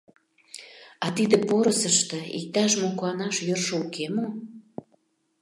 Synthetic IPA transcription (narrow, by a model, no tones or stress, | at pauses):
ɑt̪id̪ə̆poɾəsəʃt̪ɤ̆ḭk̚t̪ɑʃ̬mokuɑnɑʃjørʃoukemo